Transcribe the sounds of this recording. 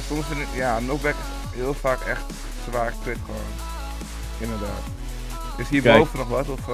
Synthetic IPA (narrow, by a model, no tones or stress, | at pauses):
sɔmsɪnjanɔχbɛkɪs | ɦɪəlˠfaːkɛ̰χt | sʋaːrkʋɪtχo̰ːn | ɪndəɹda̰ːt | døsɦiːɹbowfənɔχʋɑtɔf